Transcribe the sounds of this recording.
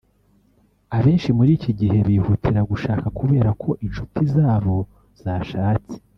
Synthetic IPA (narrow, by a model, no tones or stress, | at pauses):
aβe̞ːnʃimuɾiːciɟihe̞βiːhutʰiɾaɡuʃaːkakuβe̞ːɾakʰo̞ʔinʃutizaːβo̞ | z̥aːʃaːt͡si̥